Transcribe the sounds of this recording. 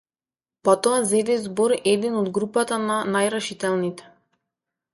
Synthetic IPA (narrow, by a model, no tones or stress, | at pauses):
pat̪ɔazɛd̪ɛzbɔɾɛd̪ɛnɔd̪ɡɾupat̪ananajɾɛʃit̪ɛlˠnit̪ɛ̥